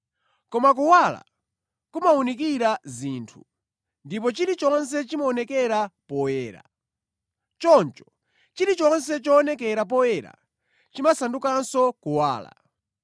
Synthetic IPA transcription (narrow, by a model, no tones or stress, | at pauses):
kɔmak̬uwala̰ | kumaunik̬iɾaziːntʰu̥ | ndipɔt͡ʃiɾit͡ʃɔns̬ɛt͡ʃimaɔnɛkɛɾapɔwɛːɾa̰ | t͡ʃɔnt͡ʃɔ̥ | t͡ʃiɾit͡ʃɔnsɛt͡ʃɔːnɛkɛɾap̬ɔwɛɾa̰ | t͡ʃimasandukansɔkuwaːla̰